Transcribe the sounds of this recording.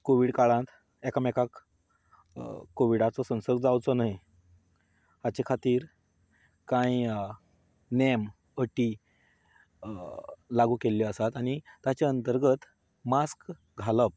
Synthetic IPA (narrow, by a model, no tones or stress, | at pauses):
koʋiːɽkaɭãt̪ | ɛkamɛkak | kːoʋiɽat͡sɔsə̃w̃səɾɡd͡zawt͡sɔnaj | at͡ɕekʰat̪iːɾ | kãi | nem | əʈiː | laɡuːkeljiəsat̪añit̪ːat͡ɕaənt̪əɾɡət̪ | mask | ɡʱaləp̚